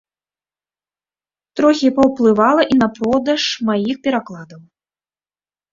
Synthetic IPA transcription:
t̪ɾɔxʲipɐwplˠɨvalˠɐʔinɐpɾɔd̪ɐʂmajixpʲɛɾaklˠad̪ɐw

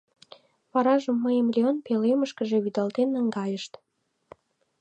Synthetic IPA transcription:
pɑɾɑʒəmːəjəmlʲeonpeleməʃkəʒeβyd̪ɑlt̪enːəŋɡɑjəʃt̪

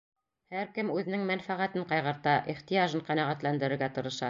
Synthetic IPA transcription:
hæɾkɘmʉðɘ̆nɘŋmænfæʁæt̪ɘɴqɑjʁɤ̆ɾt̪ɑʔiχt̪ijɑʒɤɴqænæʁæt̪lænd̪ɘ̆ɾɘ̆ɾɡæt̪ɤ̆ɾɤ̆ʃɑ

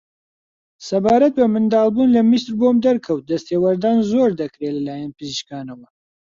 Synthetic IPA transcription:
sɐbaːɾɐt̪̚bɐmɨnd̪aːlˠbuːnlɐmisɾbomd̪ɐɾkʰɐwt̪̚d̪ɐst̪eːwɐɾd̪aːnzoːɾd̪ɐkɾelɐlaːjɐnpɨziʃkaːnɐwɐ

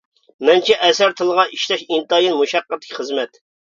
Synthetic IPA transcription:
mɛnt͡ʃʰɛʔɛsæɾt̪ʰɨlˠəʁɑʔiʃt̪ɛʃint̪ɑjinmuʃɑqːət̪ʰːɪ̥kʲʰχəzmɛt̪

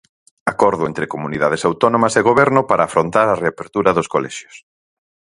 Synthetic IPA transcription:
akɔɾðʊent̪ɾɪkomuniðað̞esawt̪ɔnõmɐseɣoβɛɾnʊpaɾaːfɾont̪aɾɐreapeɾt̪uɾɐðʊskolɛ̰ʃjʊ̥s

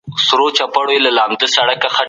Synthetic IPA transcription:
sɾot͡ʃapaɽojelalɑːmd̪əsaɽakaxa

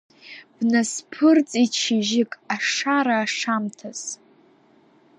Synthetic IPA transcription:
b̥naspʰɨrt͡sʼit͡ʃʰɪʒɪkʼaʂaɾaːʂamtʰaz̥

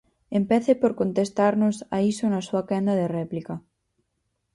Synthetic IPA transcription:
empɛθepoɾkont̪est̪aɾnosaisonasuakɛnd̪ɐðerɛplikɐ

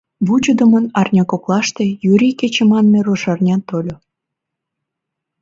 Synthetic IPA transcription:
βut͡ɕod̪ə̆mənɑrnʲɑkoklɑʃt̪ejyɾʲiket͡ɕemɑnmeɾoʃɑrnʲɑt̪olʲo

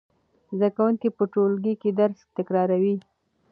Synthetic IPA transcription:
zd̪akawunkipəʈolɡiked̪aɾst̪ɪkɾɑɾawi

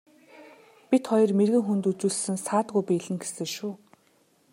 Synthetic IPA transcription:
pʲit̪χɔjɞ̆rmerɣɘ̆ŋxunt̪ut͡ɕuːɮsɘ̆nsaːt̪ɣujpiːɮɘ̆ŋɡe̥sɘ̆ŋʃuː

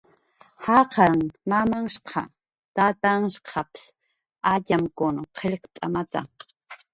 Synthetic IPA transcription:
hɑqʰɑɾaŋmamaŋʃqʰɑ̰ | t̪at̪aŋʃqʰɑps | aʎamkʊnoqʰeʎqt̪ʼa̰mat̪a̰

